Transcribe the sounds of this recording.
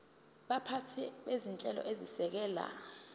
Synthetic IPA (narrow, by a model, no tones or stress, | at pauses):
ɓapʰatʰɛɓezint͡ʃʼɛlɔ̰ʔezisɛk̬ɛːla̰